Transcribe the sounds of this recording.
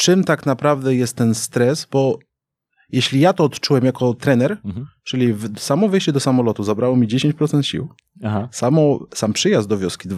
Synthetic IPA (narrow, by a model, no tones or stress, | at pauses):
t͡ʂɘmt̪aknapɾavd̪ɛjɛst̪ːɛnst̪ɾɛzbɔ | jɛɕlʲijat̪ɔːt̪t͡ʂuwɛmjakɔt̪ɾɛnɛɾt͡ʂɘlʲivsamɔvɛjɕt͡ɕɛd̪ɔsamɔlɔt̪uzabɾawɔmʲid͡ʑeɕeɲt͡ɕpɾɔt̪sɛnt̪ɕḭw | hasamɔsampʂɘjazd̪ɔvʲjɔskʲid̪